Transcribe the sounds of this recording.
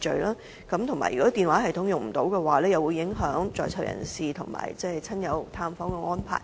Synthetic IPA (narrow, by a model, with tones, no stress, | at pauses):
t͡ʃɵ˨ɥlaː˥ | kɐ˨˥mt̪ʰʊ˨˩ŋma̰ː˨˩jɥyː˨˩kɔː˨˥t̪iː˨nwaː˨˥hɐ˨jt̪ʰʊ˨˥ŋjʊ˨ŋm̩˨˩t̪o˨˥wkɛː˧waː˨˧lɛː˥jɐ˨wuː˨˧jɪ˨˥ŋɦœː˨˥ŋt͡sɔ̰ː˨˩jt͡sʰɐ̰˨˩wjɐ̰˨˩nsiː˨t̪ʰʊ˨˩ŋma̰ː˨˩jt͡sɛː˥˩jt͡sʰɐ˥njɐ˨˧wt̪ʰaː˧mfɔː˨˥ŋkɛ˧ŋɔː˥npʰa̰ː˨˩j